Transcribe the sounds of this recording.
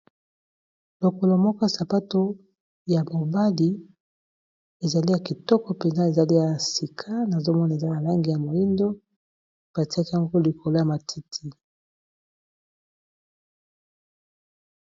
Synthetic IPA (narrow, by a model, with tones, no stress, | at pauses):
lo˨ko˨lo˨mɔ˦kɔ˦sa˨pa˦to˦ | ja˨mo˨ba˦li˦ | e˨za˨li˦ja˨ki˨tɔ˦kɔ˨pe˨nza˦e˨za˨li˦ja˨si˨kʰa˦na˨zo˦mɔ˦na˨e˨za˦ja˨la˦ŋɡi˨ja˨mo˨ji˦ndo˦ | b̥a˨ti˦a˦ki˦a˨ŋɡo˦li˨ko˨lo˦ja˨ma˨tʰi˦tʰi˦